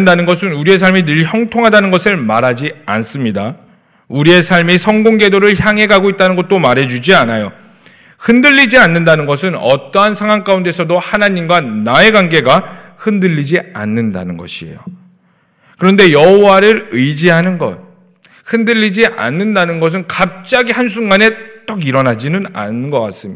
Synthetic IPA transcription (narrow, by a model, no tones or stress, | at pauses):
ndanɯnɡʌsʰɯnuɾie̞s̬ʰaɭminɯɭçjʌŋtʰoŋɦadanɯnɡʌsʰɯɭmaɾɦad͡ʑians͈ɯmɲida | uɾie̞sʰaɭmisʰʌŋɡoŋɡe̞doɾɯɭçjaŋɦe̞ɡaɡoit̚t͈anɯnɡʌt̚t͈omaɾɦe̞d͡ʑud͡ʑianajo | hɯndɯʎːid͡ʑianːɯndanɯnɡʌs̬ʰɯnʌ̰t͈ʌɦansʰaŋɦwaŋk͈aunde̞sʰʌdohanaɲimɡwanae̞ɡwaŋɡe̞ɡa | hɯndɯʎːid͡ʑia̰nːɯnda̰nɯnɡʌ̰ɕʰiḛjo̰ | kɯɾʌnde̞jʌɦowaɾɯɾɯd͡ʑiɦanɯnɡʌ̰t̚ | hɯndɯʎːid͡ʑiʔa̰nːɯndanɯnɡʌs̬ʰɯnkap̚t͡ɕ͈aɡihansʰuŋɡane̞t͈ʌɡiɾʌnad͡ʑinɯna̰nɯnɡʌk͈as͈ɯmi